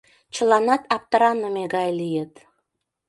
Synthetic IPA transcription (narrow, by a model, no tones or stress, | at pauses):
t͡ɕə̆lɑnɑt̪ɑp̚t̪ə̆ɾɑnəmeɣɑjlijet̪